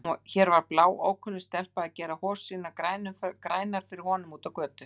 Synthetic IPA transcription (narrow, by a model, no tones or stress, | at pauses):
ɔçɛːɾvaɾ̥plaːwo̰ːwkʰʏnɪst̪ɛl̥paðacɛːɾahɔːsːiːnakɾajnʏfkɾaːjnaɾ̥fɪɾɪɾ̥hɔnʏmuːt̪avkœːt̪ʏ